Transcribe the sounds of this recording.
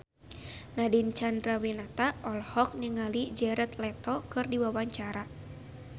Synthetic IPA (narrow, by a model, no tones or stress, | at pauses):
nadint͡ʃandɾawinat̪aʔɔlhɔk̚niŋalid͡ʒɛɾɛt̪lɛt̪ɔkɨrdiwawaɲt͡ʃaɾa